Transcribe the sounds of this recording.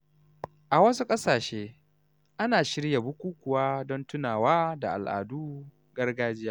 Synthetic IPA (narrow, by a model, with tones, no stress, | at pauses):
ʔa˨wɐ˦su˦kʼɐ˦saː˨ʃeː˦ | ʔa˦naː˨ʃɪ˦ɽja˨bʊ˦kʷuː˦kʷʊ˨waː˦dɔ˦ntʊ˦naː˨waː˦da̰˨ʔa̰˨lʔa̰ː˨duː˦ | ɡ̥ɐ˦rɡaː˦d͡ʒɪ˦jaː˦